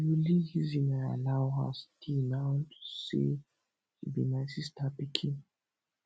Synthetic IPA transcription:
julihizinaa̰lawɦa̰stinawtʰu̥sḛ | hibinaɪsistʰapikʰĩn

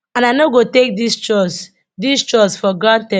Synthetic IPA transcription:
ãnaɪnoɡotek̚dist͡ʃɔs | dist͡ʃɔsfɔɡɔdtɛ

